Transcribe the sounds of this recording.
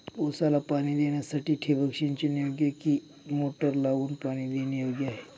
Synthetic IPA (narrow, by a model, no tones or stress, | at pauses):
osalapaːnid̪enasɐʈiʈʰebʱəkʃint͡ʃenioɡeki | moʈəɾlaɡuːnpañid̪enioɡjaɦe